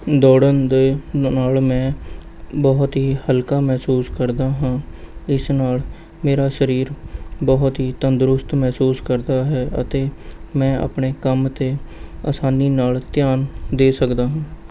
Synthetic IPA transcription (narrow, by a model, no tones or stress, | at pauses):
d̪ɔːɽənd̪enaːlmɛ̃ː | bɔːt̪ɦiːhəlkaːmɛːsuːskəɾd̪aːɦãːɪsnaːl | meːɾaːʃəɾiːɾbɔːt̪ɦiːt̪ənd̪ɾʊst̪mɛːsuːskəɾd̪aːɦɛːʔə̰t̪eːmɛ̃ːa̰ːpɳeːkəmt̪eːa̰ːsaːniːnaːlt̪ɪjaːnd̪eːsəkd̪aːɦãː